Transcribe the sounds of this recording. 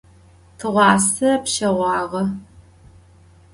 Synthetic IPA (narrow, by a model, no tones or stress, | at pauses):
tʰɨʁʷɑːsɐpʃɐʁʷɑːʁɐ